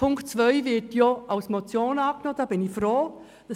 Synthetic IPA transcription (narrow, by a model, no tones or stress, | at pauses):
ʊŋktt͡svœʏvɪɾtjoaʊsmɔt͡sjoːnɑːknoːd̥ɑːb̥ɪnɪfɾoː | d̥ɑ